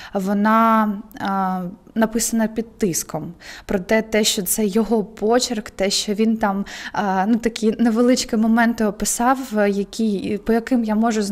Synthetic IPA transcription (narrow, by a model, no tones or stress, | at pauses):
ʋɔnɑ | nɐpɪsɐnɐpʲid̪̚t̪ɪskɔmpɾɔt̪ɛt̪ɛʃt͡ʃɔt̪sɛjɔɦɔpɔt͡ʃirkt̪ɛʃt͡ʃɔʋʲint̪ɑmnut̪ɐkʲineʋelˠɪt͡ʃkɪmɔmɛnt̪ɪɔpɪsɑwjɐkʲipɔjɐkɪmjamɔʒʊz